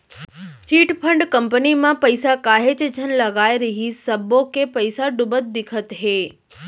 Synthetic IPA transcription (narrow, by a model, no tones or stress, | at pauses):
t͡ʃiːʈpʰəɳɖkəmpənimãpəɪsakaɦet͡ʃd͡ʒʱənləɡaːiɾəɦisəbokepəɪsaɖʊbət̪̚d̪ɪkʰət̪ɦe